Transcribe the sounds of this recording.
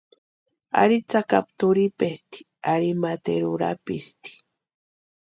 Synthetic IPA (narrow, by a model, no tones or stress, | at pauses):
a̰ɾit͡saka̰p̚t̪ʊɾipest̪i̥ | aɾimat̪ḛɾuɾa̰pist̪i̥